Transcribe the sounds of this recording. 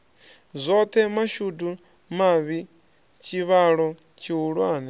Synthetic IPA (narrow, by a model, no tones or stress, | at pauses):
zʷɔt̪ʰɛmaʃudu | maβi | t͡ʃʰiβaɺɔ | t͡ʃʰiɦuɺwaːnɛ